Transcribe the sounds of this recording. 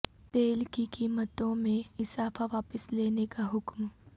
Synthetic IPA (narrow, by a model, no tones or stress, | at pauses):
t̪eːlkikiːmət̪õmẽɪsaːfaʋaːpəsleːnekaɦʊkm